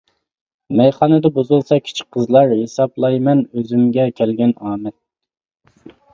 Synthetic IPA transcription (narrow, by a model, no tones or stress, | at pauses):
mɛjχɑnɨd̪ɑbozulˠsɑkʲʰi̥t͡ʃʰi̥k̚ʲqʰəzlˠɑɾhesɑplˠɑjmɛnøzymɡʲɛkʲʰɛlɡʲɛnɑːmɛt̪̚